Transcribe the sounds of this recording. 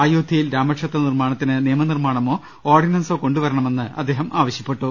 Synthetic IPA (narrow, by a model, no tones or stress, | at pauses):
aːjoːd̪ʱijilɾaːmɐʈʂɐt̪ːɐnirmaːɳɐt̪ːinɨniːɐmɐnirmaːɳɐmo̞ː | oːrɖinɐnsoːko̞ɳɖuʋɐɾɐɳɐme̞nːɨʔɐ̰d̪ʱːe̞ːɦɐmʔaːʋɐɕjɐpːe̞ʈːu